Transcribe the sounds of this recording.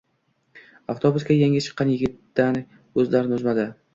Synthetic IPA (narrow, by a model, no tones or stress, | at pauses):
aft̪ʰobʊskʲajaŋʲɪt͡ʃʰɨ̥qʰːɑnjɪɡʲɪt̪ːan | ɵzlaɾɪnʊzmad̪ɪ